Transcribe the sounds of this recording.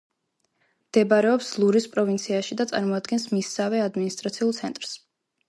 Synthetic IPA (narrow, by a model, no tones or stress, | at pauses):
md̪̥ɛbaɾɛɔpslˠuɾispʼɾɔvint̪sʰiaʃid̪at̪sʼa̰ɾmɔad̪ɡɛnsmisːavɛad̪minist̪ʼɾat̪sʰiulˠt̪sʰɛnt̪ʼɾs